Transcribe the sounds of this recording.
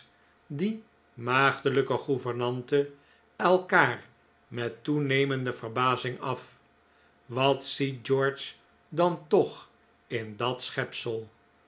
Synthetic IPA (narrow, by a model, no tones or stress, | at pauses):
di | maːχdələkəχuvəɹnɑntə | ɛlˠkaːr | mɛtunejməndəvərbaːzɪŋɑf | ʋɑtsit̚d͡ʒɔɹt͡ʃ | dɑntɔχ | ɪndɑtsχɛpsəlˠ